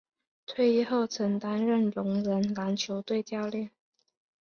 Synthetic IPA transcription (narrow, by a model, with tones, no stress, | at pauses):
t̪ʰwe˥˧ɪi˥˧xo˥˩ʊt͡sʰə˧˥ŋt̪a˥nɻə˥˩nlʊ˧˥ŋɻə˧˥nla˧˥nt͡ɕʰjo˧˥ʊt̪we˥˧ɪt͡ɕjɑ˥˧ʊljɛ˥˩n